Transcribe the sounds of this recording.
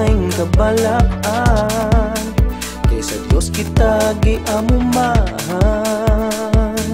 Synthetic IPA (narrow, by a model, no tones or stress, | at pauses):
jŋkɐbalaʔa | n | kɐjsɐd̪joskɪt̪aɡɪʔɐmʊmaha | n